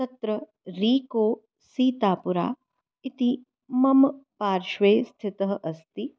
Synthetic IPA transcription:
t̪ɐt̪ɾɐ | ɾiːkoː | siːt̪aːpuɾa̰ː | it̪i | mɐmpaːɾʃʋeːst̪ʰɪt̪ɐɦɐ̆ʔɐst̪i

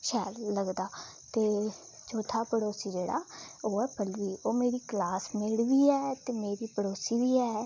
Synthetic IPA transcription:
ʃɛːlːəɡd̪aː | t̪eː | t͡ʃoːt̪ʰaːpəɽoːsiːd͡ʒeːɽa̰ːoːɛːpəlʋiːʔoːmeːɾiːklaːsmɪɽʋiːɛːt̪eːmeːɾiːpəɽoːsiːʋiːɛː

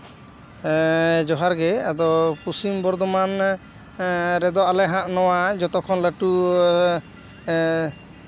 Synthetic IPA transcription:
d͡ʒɔɦaɾɡɛad̪ɔpusimbɔɾd̪ɔman | ɾɛd̪ɔʔalɛɦãʔnɔwad͡ʒɔt̪ɔkʰɔnləʈu

